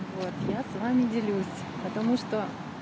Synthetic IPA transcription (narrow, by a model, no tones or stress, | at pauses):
vot̪jasvamʲɪdʲɪlʲusʲ | pət̪ɐmuʂt̪o